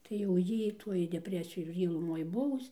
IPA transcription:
tɐɪ jɛʊ ˈjiː ˈtuɔj dʲɛˈpʲrʲæːsʲɪjʊ ɪr ˈjiː lˠʊˈmoːj ˈbʊʋʊs

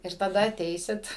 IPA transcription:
ɪr tɐˈdɐ ɐˈtʲɛɪsʲɪt

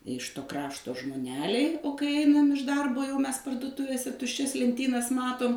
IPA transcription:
ɪʃ toː ˈkrɑːʃtoː ʒmoːˈnʲæːlʲɛɪ oː kɐɪ ˈɛɪnɐm ɪʃ ˈdɐrboː jɛʊ ˈmʲɛs pɐrduɔˈtʊʋʲeːsʲɛ tʊʃʲˈt͡ʃʲɛs lʲɛnʲˈtʲiːnɐs ˈmɑːtʊm

